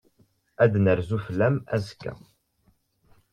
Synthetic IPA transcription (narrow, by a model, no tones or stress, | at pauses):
æd̪nəɾzuflæmæ̰zkːæ̰